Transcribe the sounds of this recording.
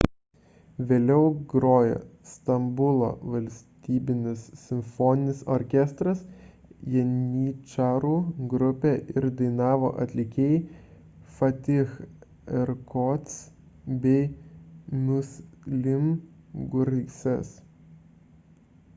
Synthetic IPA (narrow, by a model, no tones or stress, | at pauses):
ʋʲeːlʲɛʊɡɾoːjo̰ːst̪ɐmbʊlˠo̰ːʋɐlʲsʲt̪ʲiːbʲɪnʲɪsːʲɪmʲfɔːnʲɪnʲɪsɔ̰ɾʲkʲɛst̪ɾɐs | jɛnʲiːt͡ʃɑːɾuːɡɾʊpʲeʔɪɾd̪ɐɪnɑːʋo̰ːʔɐt̪ʲlʲɪkʲeːj | fɐt̪ʲɪx | ɛɾkɔt̪s | bʲɛɪ | nʊslʲɪmɡʊɾsʲɛs